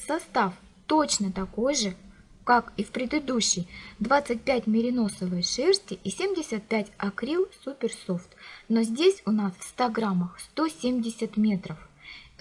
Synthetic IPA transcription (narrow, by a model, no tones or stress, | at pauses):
sɐst̪af | t̪o̞t͡ɕnət̪ɐko̞jʐɨ | kakifpɾʲɪd̪ɨd̪uɕːɪjd̪vat̪sɨt̚ʲpʲætʲmʲɪɾʲɪno̞səvɨjʂɛrsʲtʲɪʔisʲemʲdʲɪsʲət̪̚pʲætʲɐkɾʲilˠsupʲɪrso̞ft̪no̞zʲdʲesʲʊnasfst̪aɡɾaməxst̪o̞sʲemʲdʲɪsʲət̪mʲet̪ɾəf